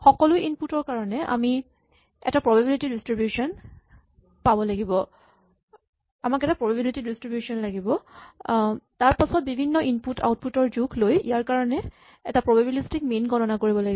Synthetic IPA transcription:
xɔkɔlʊʔinputɔɹkaɹɔnɛʔa̰mi | ɛ̰tapɹɔbabilitidistɹibjusɔn | pabɔlaɡibɔ | amakɛtapɹɔbabilitidistɹibjusɔnlaɡibɔ | taɹpasɔt̚bibʱinːɔʔinputʰa̰wt̚putɔɹzukʰlojijaɹkaɹɔnɛ | ɛ̰tapɹɔbabilistik̚menɡʱɔtɔnakoɹibɔlaɡi

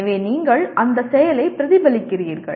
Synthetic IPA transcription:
ʋeːniːŋɡɐɭʔɐnd̪ɐsɛjɐlɐɪpɪɾɐðɪbɐlɪkːɪriːɾɣɐ̰ɭ

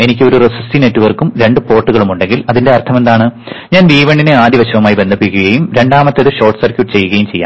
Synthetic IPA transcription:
e̞nikʲːɨo̞ɾuresustinetːuʋɐrkumɾe̞ɳɖɨpo̞ːrʈːuɣɐɭumuɳɖe̞ŋɡilɐðinde̞ɐrt̪ʰɐme̞nd̪aːɳɨ | ɲaːndiːʋeɳɖinɨaːd̪ʱiʋɐɕɐʋɐmaːjibe̞nd̪ʱɐpːikʲːuɣɐjumɾe̞ɳɖaːmɐt̪ːeðɨɕo̞ːrʈsɐrkʲjuʈːɨt͡ɕe̞jːuɣɐjumt͡ɕe̞jːa̰ː

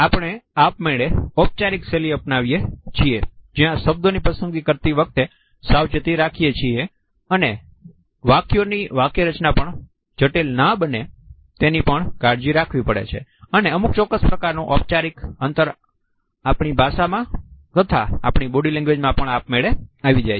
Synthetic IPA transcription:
apɳ̃eapmeɭeɔp̚t͡ʃaɾikseliəpnaʋijet͡ʃʰied͡ʒiãʃəb̚d̪onipəsəŋɡikəɾt̪iʋək̚t̪e | sawd͡ʒət̪iɾakʰijet͡ʃʰie | əne | ʋakjoniʋakeɾət͡ʃnapəɳ | d͡ʒəʈelnabəne | t̪enipəɳɡaɾd͡ʒiɾakʰʋipəɽḛt͡ʃʰḛəneəmuk̚t͡ʃɔkːəspɾəkaɾnũʔɔp̚t͡ʃaɾikənt̪əɾ | apɳibʱaʃamãkət̪ʰaa̰pɳ̃iboɽilɛ̃ŋɡʋed͡ʒmãpəɳapmeɭeaʋid͡ʒaj

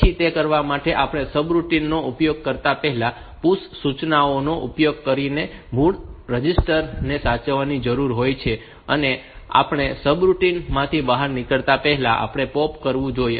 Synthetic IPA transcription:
it̪ekəɾʋamaʈeʔapɽ̃esəbɾuʈinːoupjoɡ̚kəɾt̪apɛɦɛla | pussut͡ʃnaonoʔupjoɡ̚kəɾinemuɭɾəd͡ʒisʈəɾnesat͡ʃəʋanid͡ʒəɾuɾɦojt͡ʃʰe | ə̰nea̰pɳ̃esəbɾuʈinmãt̪ʰibaɦaɾnikəɭt̪apɛɦɛlaʔa̰pɽ̃epɔpkəɾʋũd͡ʒoje

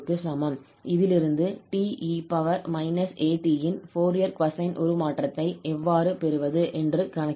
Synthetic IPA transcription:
kːɯsɐmɐm | ɪðɪlɪɾɯnd̪ɯʈiːʔiːpɐʋɐɾmɐɪnɐseːʈːiːjɪnfoːɾijɐɾkʋɐsɐɪnʔɔ̰ɾɯmaːʈrɐt̪ːɐɪʔɛʋːaːɾɯpɛɾɯʋɐðɯʔɛndrɯkɐɳɐ

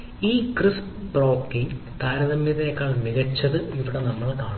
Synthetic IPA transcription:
iːkris | pro̞ːkːiŋ | t̪aːɾɐðɐmjɐðeːkːaːɭmiɣɐt͡ɕːɐðɨiʋiɽenɐmːɐɭkaːɳ

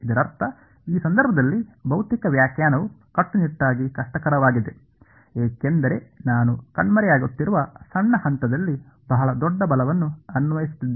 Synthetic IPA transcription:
id̪ɐɾɐɾt̪ʰɐ | iːsɐnd̪ɐɾbʱɐd̪ɐlːibʱɐwt̪ikɐʋjaːkjaːnɐʋukɐʈːuniʈːaːɡikɐʂʈɐkɐɾɐʋaːɡid̪e̞ | eːkend̪ɐɾe̞naːnukɐɳmɐɾɛjaːɡut̪ːiɾuʋɐsɐɳːɐhɐnt̪ɐd̪ɐlːi | bɐɦɐɭɐd̪ɔɖːɐbɐlɐʋɐnːuɐnʋɐjisi̥t̪ːid̪ː

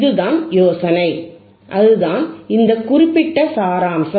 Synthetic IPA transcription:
ðɯðaːnjoːsɐnɐɪ | ʔɐðɯðaːnɪnd̪ɐkʊɾɪpːɪʈːɐsaːɾaːmsɐ

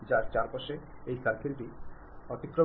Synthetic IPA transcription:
d͡ʑaɾt͡ɕaɾpaʃe | ejkaɾkʰelʈi | ɔt̪ikɾo

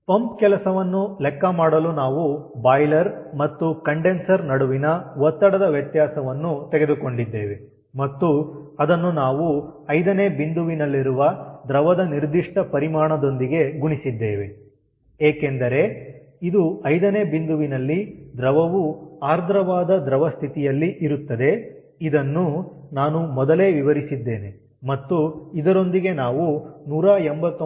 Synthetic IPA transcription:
pɐmpkɛlɐsɐʋɐnːulɛkːɐmaːɽɐlunaːʋubaːjlɐɾmɐt̪ːukɐɳɖensɐɾnɐɽuʋinɐʋɔt̪ːɐɽɐd̪ɐʋjɐt̪jaːsɐʋɐnːut̪ɛɡe̞d̪uko̞ɳɖid̪ːeːʋe̞ | mɐt̪ːuɐd̪ɐnːunaːʋuɐjd̪ɐneːbind̪uʋinɐlːiɾuʋɐd̪ɾɐʋɐd̪ɐniɾd̪iʂʈɐpɐɾimaːɳɐd̪o̞nd̪iɡe̞ɡuɳisid̪ːeːʋe̞ | eːke̞nd̪ɐɾe̞ | id̪uɐjd̪ɐne̞ːbind̪uʋinɐlːid̪ɾɐʋɐʋuaːɾd̪ʱɾɐʋaːd̪ɐd̪ɾɐʋɐst̪ʰit̪ijɐlːiʔiɾut̪ːɐd̪e̞ | id̪ɐnːu | naːnumɔd̪ɐle̞ːʋiʋɐɾisid̪ːe̞ːne̞ | mɐt̪ːuid̪ɐɾo̞nd̪iɡe̞naːʋunuːɾaːembɐt̪ː

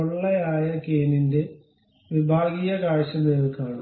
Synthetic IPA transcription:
oɭːɐjaːjɐkeːninde̞ | ʋibʱaːɡijɐkaːɻɕɐmeːðkːaːɳɨ

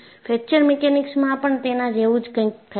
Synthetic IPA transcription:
fʰɛk̚t͡ʃəɾmɛkenɪksmãpəɳt̪enãd͡ʒeʋud͡ʒkə̃ĩt̪ʰə

